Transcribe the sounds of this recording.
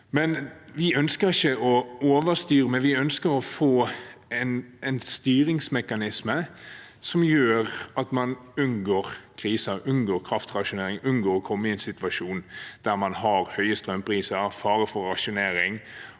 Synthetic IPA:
mɛnʋɪœnskəɾɪçəʔɔoːʋəst̪yːɾəmɛʋɪœnskəɾɔfoːɛnɛnst̪yːɾɪŋsmɛkɑnɪsmə | sɔmjøːʁɑt̪mɑnʉnɡoːɾkʰɾiːsəɾʉnɡoːɾkʰɾɑft̪ʁɑʃʊneːɾɪŋʉnɡoːɾɔkʰɔmːəɪɛɪnsɪt̪ʋɑʂuːnd̪̥æʁmɑnhɑɾhœʏəst̪ɾœmpʰɾiːsəɾfɑːɾəfɔɾɑʃʊneːɾɪŋ

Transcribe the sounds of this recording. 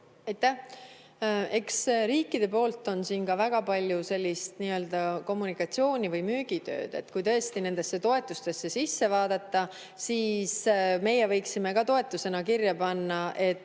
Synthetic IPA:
ɑjt̪ːæ | e̞ksriːkːˑid̪̥e̞p̬o̞ːlt̪ːˑo̞nsiːnkɑvæɡ̥ɑpɑlʲjuse̞lʲːist̪niːø̞ld̪̥ɑko̞mːunikɑt̪sio̞ːnʲivɯjmyːɡ̥it̪ø̞̰ːd̪̥e̞̰t̪ːkujt̪ɤ̞est̪ine̞nd̪e̞sːe̞t̪o̞e̞t̪ːˑust̪e̞sːe̞sisːe̞vɑːd̪̥ɑt̪ːɑ | siːsme̞jevɤ̞jksime̞kɑt̪o̞e̞t̪ːˑuse̞nɑkirjɑpɑnːɑʔe̞t̪ː

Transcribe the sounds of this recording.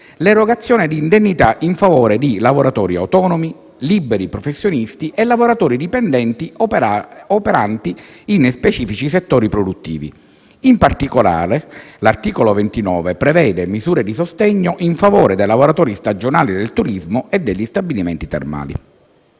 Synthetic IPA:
leɾoɡat̪sːjɔːned̪iːnd̪enːit̪aʔiɱfavoːɾed̪ilavoɾat̪ɔːɾiawt̪ɔːnomi | libeɾipɾɔfesːjonist̪iʔelːavoɾat̪ɔːɾid̪ipɛnd̪ɛnt̪i | opeɾant̪iinspet͡ʃiːfit͡ʃiset̪ːoːɾipɾod̪ut̪ːḭːvḭ | impart̪ikola̰ːɾelart̪iːkolovent̪inɔːvepɾevɛːd̪emizuːɾed̪isost̪ɛɲːoʔiɱfavoːɾed̪ejlavoɾat̪ɔːɾist̪ad͡ʒonaːlid̪elt̪uɾizmoʔed̪ːeʎːist̪abiliment̪it̪ḛrma̰ːlḭ

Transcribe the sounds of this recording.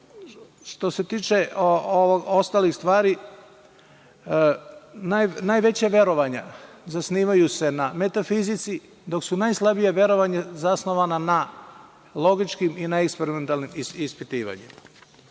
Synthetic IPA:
ʃt̪o̞se̞t̪iːt͡ʃeooʋoɡost̪alixst̪ʋaːɾi | najnajʋe̞t͡ɕaʋje̞ɾo̞ʋaɲazasniːʋajuse̞namet̪afizit̪si | d̪o̞ksunajslˠabijeʋje̞ɾo̞ʋaɲazasno̞ʋanana | lˠo̞ɡit͡ʃkiminaekspeɾiment̪alnimispit̪iːʋa̰ɲḛma

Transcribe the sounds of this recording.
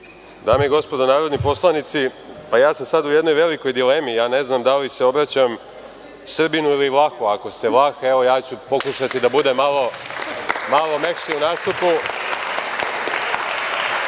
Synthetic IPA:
d̪aːmejeɡo̞spo̞d̪onaːɾo̞d̪nipo̞slˠanit̪si | pajaːsamsad̪ujed̪no̞jʋe̞liko̞jd̪ileːmijaːne̞znamd̪alise̞o̞bɾat͡ɕam | sr̩binuiliʋlˠaxuako̞st̪eʋlˠaxeʋojaːt͡ɕupo̞kuʃat̪id̪abud̪emalˠo̞ | malˠo̞me̞kʃiunaːst̪upu

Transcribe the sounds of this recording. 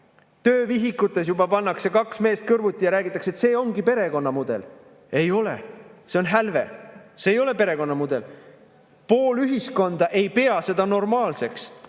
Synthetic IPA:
t̪ø̞ːviɦikut̪ːˑe̞s̬jubɑpɑnːɑksekɑksme̞ːst̪̚kɯrvut̪ʲːˑijɑɾæːɡit̪ːˑɑkse̞t̪se̞ːo̞ŋɡipe̞ɾe̞ko̞nːɑmud̪̥e̞̰l | e̞jo̞lḛse̞o̞nɦælve̞̰seːjo̞le̞pe̞ɾe̞ko̞nːɑmud̪̥e̞̰l | po̞ːlyɦisko̞nd̪̥ɑʔe̞jpe̞ɑse̞d̪̥ɑno̞rmɑːlse̞ks

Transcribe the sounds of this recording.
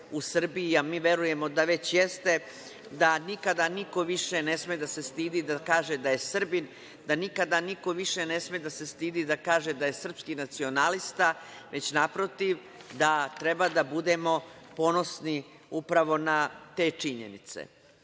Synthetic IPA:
usr̩biiamiːʋe̞ɾuje̞mo̞d̪aʋe̞t͡ɕjest̪e̞ | d̪anikad̪aniko̞ʋiʃene̞smed̪ase̞st̪iːd̪id̪akaːʒe̞d̪aje̞sr̩bin | d̪anikad̪aniko̞ʋiʃene̞smed̪ase̞st̪iːd̪id̪akaːʒe̞d̪aje̞sr̩pskinat̪sio̞nalist̪aʋʔe̞t͡ɕnapɾo̞t̪iʋ | d̪at̪ɾe̞bad̪abud̪e̞mo̞po̞no̞sni | upɾaʋo̞nat̪e̞ːt͡ʂiɲḛnit̪sḛ

